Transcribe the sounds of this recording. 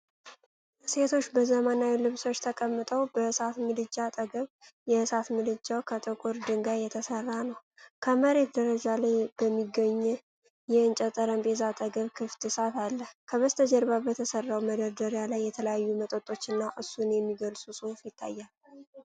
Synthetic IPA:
se̞t̪ʰo̞t͡ʃːbəzəmənawilɨβso̞t͡ʃːt̪ʰəkʼəmːɨt̪ʼəwbəɨsat̪mɨlɨd͡ʒːat̪ʼəɡəβjɛɨsat̪mɨlɨd͡ʒːawkʰət̪ʼəkʼuɾd̪ɨŋɡajɛt̪ʰəsərːanəw | kʰəməɾe̞t̪d̪əɾəd͡ʒalajb̥əmːiɡəɲː | jɛɨnt͡ʃʼɛt̪ʼəɾəmbʼezat̪ʼəɡəβkʰɨft̪ɨsatalːəhkʰəβəst̪ʰəd͡ʒɛɾbabət̪ʰəsərːawməd̪əɾd̪əɾjalajːɛt̪ʰələjajːumət̪ʼot̪ʼo̞t͡ʃːɨnːaʔɨsːunjɛmːiɡəlsʼusʼɨfjɪt̪ʰːa̰jːal

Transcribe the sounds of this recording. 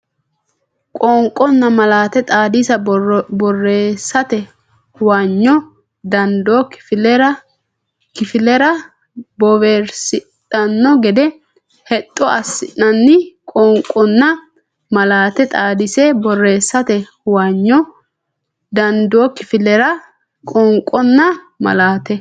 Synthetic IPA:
kʼɔŋkʼːɔnːɐmɐlaːt̪ɛt̪ʼaːd̪isɐbɔrːeːsːɐt̪ɛ | hwaɲːɔ | d̪ɐnd̪oːkflɛɾɐ | kɪfɪlɛɾɐ | bɔveːɾsɪt̪ʼːɐnːɔɡɛd̪ɛ | hɛt̪ʼːɔɐsːɪʔːɐnːɪkʼɔŋkʼːɔnːɐ | mɐlaːt̪ɛt̪ʼaːd̪ɪsɛbɔrːeːsːɐt̪ɛhʊwaɲːɔ | d̪ɐnd̪oːkɪfɪlɛɾɐ | kʼɔŋkʼːɔnːɐ | mɐ̰laːt̪ɛ

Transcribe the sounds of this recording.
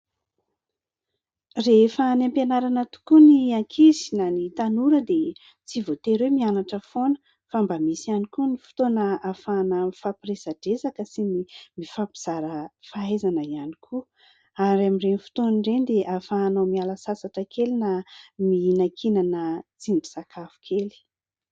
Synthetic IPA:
refənampenaɾanət̪u̥kuniaŋkʰizi̥nanit̪anuɾəd̪e | t͡sivot̪eɾwemianaʈ͡ʂəfonə̥ | fambamisianikunifu̥t̪onəafanəmifapiresaɖ͡ʐezakəsinimifapiz̥aɾəfaezanəianikʰu | aɾamiɖ͡ʐenifu̥t̪onɳɖ͡ʐend̪eʔafaːnomialasasaʈ͡ʂakelinaminakʰinanət͡sinibi̥sakʰafu̥kʰeli̥

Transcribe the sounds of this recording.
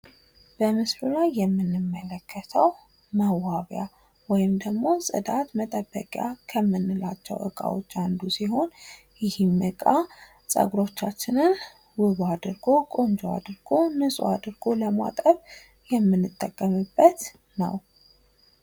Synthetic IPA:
b̥əmɨslulajːɛmːɨnːɨmːələkʰːət̪ʰəw | məwaβja | wɔjɪmd̪əɡmo̞sʼɨ̰d̪at̪mət̪ʼəbːə̰kʼja̰kʰəmːɨnːɨlat͡ʃːɛ̰wʔɨ̰kʼa̰wo̰t͡ʃːand̪usiɦo̞n | jɪhimːɨkʼa | sʼə̰ɡɾo̞t͡ʃːat͡ʃːɪnɨn | wɨβad̪ɨɾɡo̞kʼo̞nd͡ʒoa̰d̪ɨɾɡo̞nɨsʼṵad̪ɨɾɡo̞ləma̰t̪ʼəβ | jɛmːɨnːɨt̪ʼːəkʼːəmɨbːət̪ | nə̰w

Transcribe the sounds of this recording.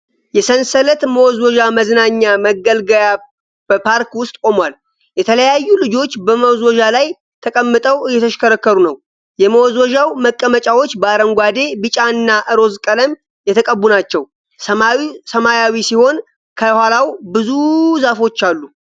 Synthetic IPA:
jɛsənsələt̪məwɔzwɔd͡ʒaməznaɲːaməɡəlɡəja | b̥əpʰaɾkwʊst̪ʼkʼo̞mwal | jɛt̪ʰələjajːulɨd͡ʒo̞t͡ʃːbəməwzwɔʒalaj | t̪ʰəkʼəmːɨt̪ʼəwɨjɛt̪ʰəʃkəɾəkːəɾunəw | jɛməwɔzwɔʒawməkʼːəmət͡ʃʼawo̞t͡ʃːbəaɾəŋɡʷad̪e̞bɨt͡ʃʼaɨnːaʔɨɾo̞zkʼələm | jɛt̪ʰəkʼəbːunat͡ʃːɛw | səmajawisiho̞n | kʰəhʷalawbɨzuzafo̞t͡ʃːalːu

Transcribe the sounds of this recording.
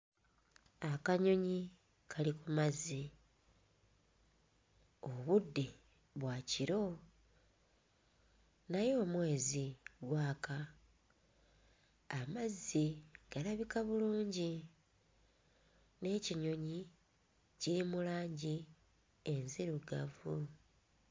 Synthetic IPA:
akaɲo̞ɲi | kʰalikumazːi | oβudːe̞ | βwaːciɾo̞ | najo̞ːmwe̞ːziɡwaːka | mazːiɡ̥alaβikaβuluːɲɟi | ne̞ciɲo̞ɲi | ciɾimulaːɲɟi | e̞nziɾuɡavu

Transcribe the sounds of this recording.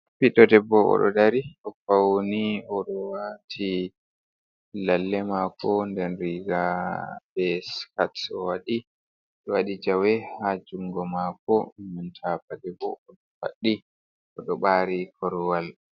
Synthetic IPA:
piɗɔdɛbːɔʔɔ̰ɗɔ̰daɾiʔɔfawoniɔɗɔwatʰi | lalːɛmakɔndɛnɾiɡabɛskatɔwaɗi | ɗɔwaɗid͡ʒawɛhad͡ʒuŋɡɔmakɔmantʰapadɛbɔ̰ɔɗɔfa̰ɗːi | ʔɔɗɔɓaɾikʰɔɾwal

